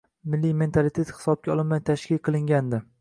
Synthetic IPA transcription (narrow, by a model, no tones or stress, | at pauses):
mɪlːijme̞nt̪ʰalit̪ʰe̞t̪hɪ̥sɒb̚kʲaɒlˠɪnmajt̪ʰaʃkʲɪlʲqʰɨlˠɪŋɡʲand̪ɪ